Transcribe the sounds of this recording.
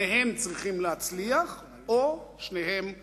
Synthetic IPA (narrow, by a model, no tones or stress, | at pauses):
eɦe̞mt͡sʁiχimlehat͡sliaχ | oʃneɦem